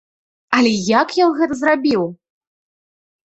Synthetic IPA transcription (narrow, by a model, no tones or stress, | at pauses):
ɐlʲɛjakjɔnɣɛt̪ɐzrabʲiw